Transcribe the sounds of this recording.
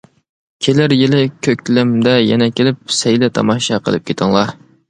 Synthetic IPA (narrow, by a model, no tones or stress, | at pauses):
kʲʰelɪɾjɪlɪkʲʰøkʲlɪmd̪ɛjɛnɛkʲʰelɪp̚sɛjlɛt̪ʰɑ̰mɑʃɑqʰə̰lˠɨp̚kʲʰet̪ʰəŋlˠɑ